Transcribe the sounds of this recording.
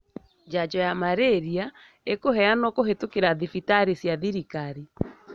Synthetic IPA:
d͡ʒad͡ʒɔjamaɾeɾia | ekoɦɛanɔkoɦetokeɾaðifitaɾesjaðiɾikaɾi

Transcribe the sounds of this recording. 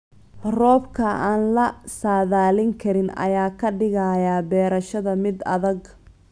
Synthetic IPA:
rɔːbkʰɐʔaːnlɐsaːðaːlɪŋkʰɐɾɪnɐ̰jaːkʰɐɖɪɣɐjaːbɛːɾɐʃɐðɐmɪd̪ɐ̰ðɐɡ

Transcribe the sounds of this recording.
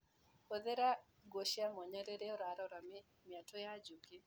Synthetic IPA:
kɔðɛɾa | ɡoʃiamɔɲaɾɛɾɛɔɾaɾɔɾam | miatɔjad͡ʒuki

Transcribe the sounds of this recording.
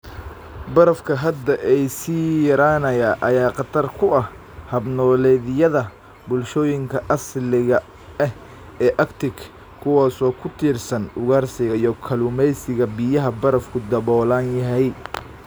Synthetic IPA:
bɐɾɐfkʰɐɦɐd̪ɐʔɛjsiːjɐɾaːnɐjaʔɐjaːqɑt̪ʰɐrkʰʊɐh | hɐbnɔːlɛːðɪjɐðɐ | bʊlʃɔːjɪŋkʰɐʔɐslɪɣɐ | ɛh | ɛːʔɐkt̪ʰɪk | kʰːʊwaːsɔːkʰʊt̪ʰiːrsɐnʊɣaːrsɪɣɐijɔkʰɐlʊmɛjsɪɣɐbijɐɦɐbɐɾɐfkʰʊd̪ɐβɔːlaːnjɐɦɛj

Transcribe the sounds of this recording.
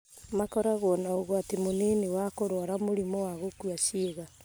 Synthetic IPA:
makɔɾaɣɔnaoɣoatemoneːnewakoɾwɔɾamoɾimɔwaɣokwaʃeːɣa

